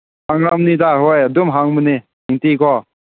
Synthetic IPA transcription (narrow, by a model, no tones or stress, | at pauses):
haŋɾamnidaɦojadumɦaŋmɯni | iŋtikʰɔ